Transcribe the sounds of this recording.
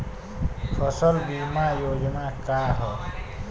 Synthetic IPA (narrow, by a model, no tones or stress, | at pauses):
pʰʌsəlbimajod͡ʒnakaɦə